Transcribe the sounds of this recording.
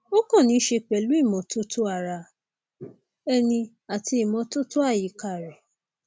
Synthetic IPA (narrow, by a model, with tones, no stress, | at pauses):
o˦kɔ̃˦˨nĩ˨˦ʃe˧k͡pɛ˨lu˨˦i˦˨mɔ̃˨to˦to˦a˦˨ɾa˧ | ɛ˦nĩ˧ | a˨tʰi˧i˨mɔ̃˧to˦to˦a˦˨ji˨˦ka˧˨ɾɛ˨